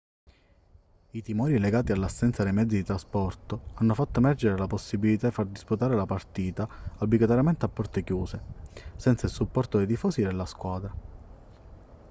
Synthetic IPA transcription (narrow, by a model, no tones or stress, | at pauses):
it̪imɔːɾileɡaːt̪ialːasːɛnt̪sad̪ejmɛd̪zid̪it̪ɾaspɔrt̪oanːofat̪ːoemɛrd͡ʒeɾelaposːibilit̪ad̪ifard̪isput̪aːɾelapart̪iːt̪aabliɡat̪oɾjamɛnt̪eapːɔrt̪ɪkjuːsesɛnt̪sailsupːɔrt̪od̪et̪ifɔːsid̪elːaskwaːd̪ɾa